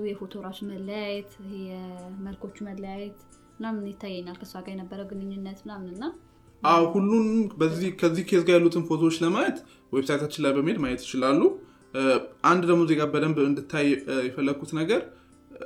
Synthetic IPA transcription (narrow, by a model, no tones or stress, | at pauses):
jɛfo̞t̪ʰo̞ɾat͡ʃumələjajɛt̪ɛməlkʰo̞t͡ʃːumələjajɛt̪ | mɨnamɨnjɪt̪ʰːajːɛɲːalkʰəsuaɡʼajɛnəbːəɾəwɡɨnɨɲːɪnːət̪mɨnamnɨnːa | ʔawhulːunbəzːihkʰəzːihkʰesɡajalːut̪ʰɨnfot̪ʰoot͡ʃːləmajɛt̪ | wɔjbsajt̪ʰat͡ʃːɪnlajbəmhed̪majɛt̪jɪt͡ʃɪlalːu | ʔand̪d̪əmozekʼabəd̪əmɨnd̪ɨt̪ʰːajjɛfəlːəɡʰːut̪nəɡəɾ